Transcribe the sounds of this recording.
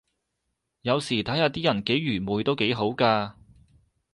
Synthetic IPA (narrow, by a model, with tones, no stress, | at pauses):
jɐ˨˧wsiː˨˩t̪ʰɐ˨˥jhaː˨˧t̪iː˥jɐ˨˩nke˨˥jɥyː˨˩muː˨˧jt̪o˥wke˨˥jɦo˨˥wkaː˧